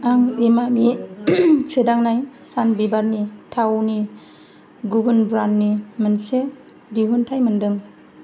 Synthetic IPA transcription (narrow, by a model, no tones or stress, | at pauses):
aŋimami | sʰɯdaŋnajsanbibaɾnitʰawni | ɡubɯnbɾanːimɯnse | diɦuntʰajmɯndɯŋ